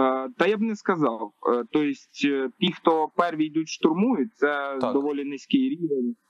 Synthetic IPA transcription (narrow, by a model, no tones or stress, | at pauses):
t̪ɐjabnɛskɐzɑwt̪ɔjɪsʲtʲt̪ʲixt̪ɔpɛrʋʲijd̪utʲʃt̪ʊrmujʊt̚ʲt̪sɛd̪ɔʋɔlʲinɪsʲkɪjɾʲiʋenʲ